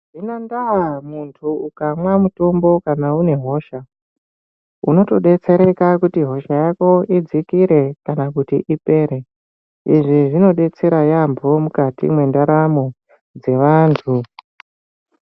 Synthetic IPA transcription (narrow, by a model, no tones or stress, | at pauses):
ʐinandaɦamuntʰuukamwamuto̞mbo̞kanaune̞ɦo̞ːʃa | uno̞to̞ɗe̞t͡se̞ɾe̞kakutiɦo̞ʃajako̞id͡zikiɾe̞kanakutiʔipe̞ɾe̞ | iʐiʐino̞ɗe̞t͡se̞ɾajambʱo̞mukatḭmwe̞ndaɾamo | d͡ze̞ʋantʰu